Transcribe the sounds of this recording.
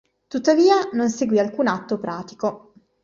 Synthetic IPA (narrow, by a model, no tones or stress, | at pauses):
t̪ut̪ːaviːanonseɡwialkuːnat̪ːopɾaːt̪i̥ko